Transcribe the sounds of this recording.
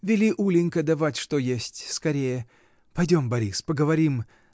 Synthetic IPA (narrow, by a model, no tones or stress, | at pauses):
vʲɪlʲiʔulʲɪnʲkəd̪ɐvatʲʂt̪ojesʲtʲskɐɾʲejjə | pɐjdʲo̞mbɐɾʲispəɡəvɐɾʲim